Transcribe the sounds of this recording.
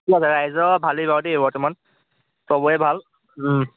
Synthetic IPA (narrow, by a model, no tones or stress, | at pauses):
asɛɹajzɔbʱalibadebɔɹtɛman | sɔbɔɛbʱal̩